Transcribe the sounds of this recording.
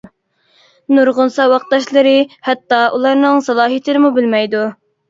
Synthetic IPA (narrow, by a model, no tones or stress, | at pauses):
nuɾʁʊnsɑwɑq̚t̪ɑʃlˠɨɾɨhɛt̪ːɑʔulˠɑɾnɨŋsɑlˠɑːɦijt̪ʰɪɾɪmubɪlmɛjd̪u